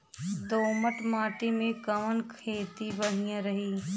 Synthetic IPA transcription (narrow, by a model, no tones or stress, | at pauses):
d̪oːməʈmaːʈimẽkɐmənkʰeːt̪ibɐɽ̤ijãɾɐɦiː